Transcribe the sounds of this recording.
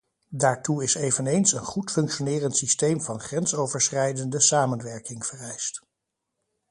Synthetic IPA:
daːɹtuɪsejvənejnsənχutfɵŋkʃonɪːrəntsistejmvɑnχrɛnsowvəɹsχɛjdəndəsaːmənʋɛɹkɪŋv̥ərɛjst

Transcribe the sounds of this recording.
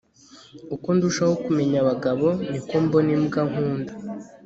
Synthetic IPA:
ukonduʃahokume̞ɲaβaɡaβo̞nikombonimuɡaɦuːndḁ

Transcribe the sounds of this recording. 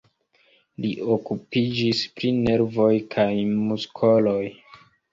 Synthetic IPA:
liʔokupid͡ʒispɾine̞ɾvo̞jkʰajmuskʰolo̞j

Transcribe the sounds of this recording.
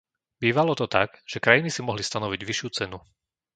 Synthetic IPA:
biːʋalɔt̪ɔt̪a̰ɡʒ̥ɛkɾajinisimɔɦlist̪anɔʋiɟʋiʃjuːt͡sɛnu

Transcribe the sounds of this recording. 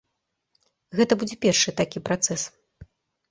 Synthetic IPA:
ɣɛt̪ɐbud͡zʲɛpʲɛrʂɨt̪akʲipɾat̪sɛs

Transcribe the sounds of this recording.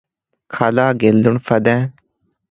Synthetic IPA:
kʰalaːɡelːʊɳfʰɐd̪ɛ̃ː

